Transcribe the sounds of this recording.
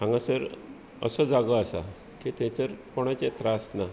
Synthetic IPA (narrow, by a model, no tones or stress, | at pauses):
ãŋɡãsəɾ | ə̰sɔd͡zaɡəasa̰ | kit̪ɛ̃t͡səɾkɔɽ̃at͡ɕɛt̪ɾasna